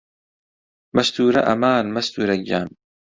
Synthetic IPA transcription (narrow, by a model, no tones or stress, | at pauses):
mɐst̪uːɾɐ̰ʔɐmaːnmɐst̪uːɾɐɡja̰ːn